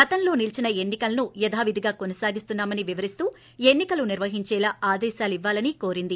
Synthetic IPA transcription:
ɡɐt̪ɐnlo̞ːnilt͡ʃinɐe̞nːikɐlɐnujɐd̪ʱaːʋid̪ʱiɡaːkonɐsaːɡist̪unːaːmɐniʋiʋɐɾist̪uː | e̞nːikɐluniɾʋɐɦiɲt͡ʃɛːlaːaːd̪ɛːʃaːliʋːaːlɐniko̞ːɾind̪i

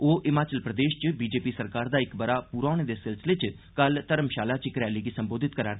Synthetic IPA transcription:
oːʔɪmaːt͡ʃəlpɾəd̪eːʃt͡ʃbiːd͡ʒeːpiːsəɾkaːɾd̪aːɪkbəɾaːpuːɾaːʊɽ̃eːd̪eːsɪlsəlet͡ʃ | kəlt̪əɾəmʃaːlaːt͡ʃɪkɾɛːliːɡiːsəmboːd̪ɪt̪̚kəɾaː

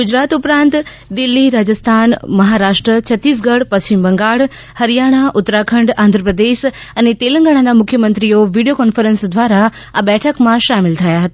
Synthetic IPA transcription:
ɡʊd͡ʑɾaːt̪ʊpɾãːnt̪ | d̪ɪlːiɾaːd͡ʑəst̪ʰanməɦaɾaːʂʈɾət͡ɕʰət̪ːiːs̬ɡəɽpəst͡ɕɪmbəŋɡaːɽ | həɾijaːɽ̃aʔʊt̪ːɾakʰə̃ɳɖãːnd̪ʱɾəpɾəd̪eːʃənet̪elə̃ŋɡaɽ̃anamʊkʰjəmə̃nt̪ɾijoʋiɖijokɔnfəɾənsd̪ʋaːɾa | abɛʈʰəkmãʃamɪlt̪ʰɐjaɦət̪a

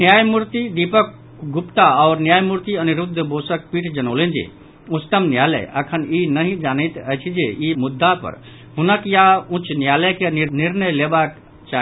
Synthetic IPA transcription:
njaːjmuɾt̪id̪ipək̚ | ɡʊpt̪aɔːɾnjaːjmuɾt̪iənuɾʊd̪ʱːəboːsək̚piːʈʰd͡ʒənoːlend͡ʒḭ | ʊst̪əmnjaːlə̰jʔə̰kʰəninəɦĩd͡ʒaːnəjt̪əjt͡ʃʰid͡ʒeimʊd̪ʱːapə̰ɾ | ɦʊnəkjaũt͡ʃnjaːləjkeinɪɾnəjleːbaːk | t͡ʃaː

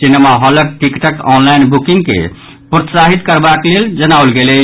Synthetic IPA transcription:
sinemaɦɔləɾʈikʈəkɔ̰nlaɪnbukiŋɡkḛ | pɾət̪saɦit̪kəɾbakleld͡ʒənaolɡelɛ

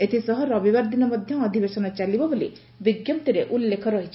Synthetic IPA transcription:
et̪ʰisɔɦɔɾɔbibaɾd̪inɔmɔd̪ʱjɔːd̪ʱibesɔnɔt͡ʃalibɔbolḭ | biɡjɔmt̪iɾeʔulːekʰɔɾɔɦit͡ʃʰi̥

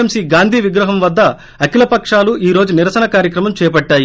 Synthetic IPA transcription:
emsiːɡaːnd̪ʱiːʋiɡɾɐɦɐmʋɐd̪ːɐ | ɐkilɐpɐkʂaːluiːɾo̞ːd͡ʒuniɾɐsɐnɐkaːɾjɐkɾɐmɐmt͡ʃɛːpɐʈːaːji

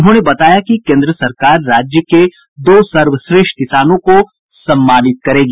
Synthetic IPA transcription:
ʊnɦõnebɐt̪aːjakikẽːnd̪ɾəsɐɾkaːɾːaːd͡ʒjəke | d̪oːsɐɾʋəsɾeːʃʈkɪsaːnõko | sɐ̃mːaːnɪt̪̚kɐɾeːɡi

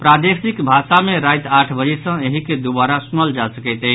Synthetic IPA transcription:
pɾad̪esikbʱasameɾajt̪aʈʰbəd͡ʒesə̃eɦiked̪ubaɾasunəld͡ʒasəkəɪt̪ə

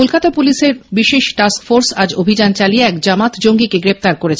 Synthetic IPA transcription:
kolkat̪apuliʃeɾbiʃeʃʈaskfoɾsad͡ʑobʱid͡ʑant͡ɕalieɛkd͡ʑamat̪d͡ʑoŋɡikeɡɾeft̪aɾkoɾet͡ɕʰe

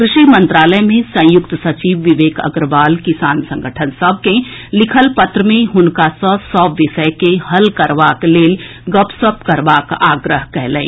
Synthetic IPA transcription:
kɾɪʃimə̃nt̪ɾaːləjmẽsɐ̃jʊk̚t̪sɐt͡ʃiːʋːɪʋeːkɐ̰ɡɾəʋaːlkɪsaːnsɐ̃ŋɡʱəʈʰənsɐb̚ʱkẽlɪkʰəlpɐt̪ɾəmẽɦʊnkasɔsɔʋɪʃəjkehɐlkɐɾʋaːkleːlɡɔpsəpkɐɾʋaːkaːɡɾəɦkɛɦlḛ̃ː

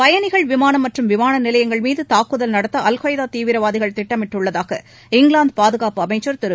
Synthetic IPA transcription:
pɐjɐnɪɣɐɭʋɪmaːnɐmːɐʈrɯmʋɪmaːnɐnɪlɐjɐŋɡɐɭmiːðɯt̪aːkːɯðɐlnɐɽɐt̪ːɐʔɐlɣoːjðaːt̪iːʋɪɾɐʋaːðɪɣɐɭt̪ɪʈːɐmɪʈːɯɭːɐðaːɣɐ | ɪŋɡɭaːnd̪̚paːðɯɣaːpɯɐmɐɪt͡ʃːɐɾt̪ɪɾɯ

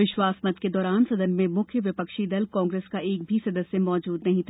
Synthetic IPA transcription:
ɪʃwaːsmɐd̪ked̪ɔːɾaːnsɐd̪ənmẽmʊkʰjəʋɪpəkʃid̪ɐlkɔ̃ːŋɡɾeːskaʔeːk̚bʱisɐd̪əsjemɔːd͡ʒuːd̪nɐɦĩt̪ʰa

